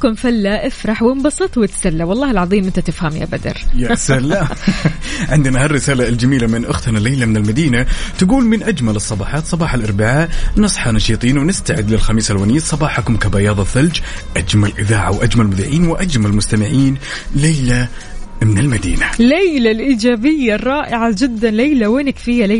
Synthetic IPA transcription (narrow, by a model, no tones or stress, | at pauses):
kʊmfalːaʔɪfɾˤɑħwɪmbɑsˤɨt̪ˤwɪt̪salːawɑlˤːɑːhɪlʕɑðˤiːmʔɪnt̪at̪ɪfhamja̰bad̪ɑ̰ɾˤjasalːa | ʕɪnd̪ɪnahɑrːɪsaːlald͡ʒamiːlamɪnʔʊxt̪nalejlamɪnɪlmad̪iːnat̪aɡuːlmɪnʔad͡ʒmalɨsˤːɑbɑːħɑːt̪sˤɑbɑːħalʔɑɾˤbɪʕaːʔnɨsˤħɑnɑʃiːt̪ˤiːnwnɪst̪aʕɪd̪lɪlxamiːsalwaːniːasˤɑbɑːħakʊmkabajɑːðˤɑθald͡ʒ | ʔad͡ʒmalʔɪðaːʕa̰wʔad͡ʒmalmʊðiːʕiːnwɪʔad͡ʒmalmʊst̪amɪʕiːn | lajla | mɪnɪlmad̪ḭːnalajlalʔiːd͡ʒaːbɪjːarˤːɑːʔɪʕad͡ʒɪd̪ːanlajlaweːnɪkfiːjala